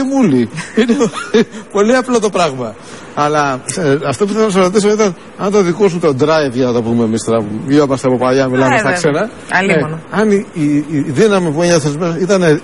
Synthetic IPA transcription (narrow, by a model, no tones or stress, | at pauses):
imuliinepo̞liɐplot̪o̞pɾɐɣmɐ | ɐlɐɐft̪o̞puθenɐs̬ɾot̪is̬oit̪ɐn | ɐnt̪oðikos̬unt̪o̞d̪ɾɐjvʝɐnɐt̪opumemist̪eɾɐpumiomɐst̪eɐpo̞pɐʝɐmilɐmest̪ɐkse̞nɐ | ɐlenɐniiðinɐmipueɲɐθezmeit̪ɐne